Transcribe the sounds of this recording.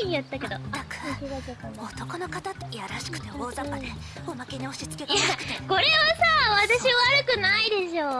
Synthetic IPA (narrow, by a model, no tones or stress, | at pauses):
ijat̪ːake̞d̪o̞akɯ̥siɡakekanot̪o̞kono̞kat̪at̪ːejaɾaɕi̥kɯ̥t̪e̞oːzakːad̪e | omake̞ɲʲioɕit͡sɨ̥keɡaakɯ̥ko̞ɾe̞βasaβat̪aɕiaβaɾɯ̟kɯ̟naid̪e̞ɕo̞ː